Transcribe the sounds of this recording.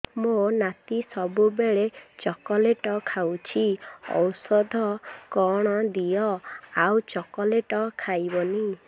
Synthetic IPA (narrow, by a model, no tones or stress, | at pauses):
monat̪isɔbubeɭet͡ʃɔkɔleʈɔkʰawt͡ʃʰiɔ̰wsɔd̪ʱɔkɔɽ̃ɔd̪ijɔawt͡ʃɔkɔleʈɔkʰajbɔni